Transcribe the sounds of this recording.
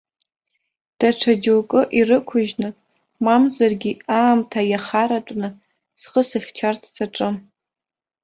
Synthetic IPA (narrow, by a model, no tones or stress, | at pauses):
d̥aʈ͡ʂʰad͡ʒɨwkʼɨʔirɨkʷʰʊʒnɨ | mamzarɡʲiaːmtʰajaχaɾatʷʼnɨ | z̥χəsɨχʲt͡ʃʰartʰsʰaʈ͡ʂʼɨ